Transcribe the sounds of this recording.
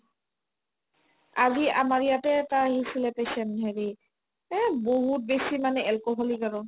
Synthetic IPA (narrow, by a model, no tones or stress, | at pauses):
aziamaɹijatɛtaɦisilɛpɛsɛntɦɛɹi | boɦut̚besimanɛʔɛlkɔɦɔlikaɹɔn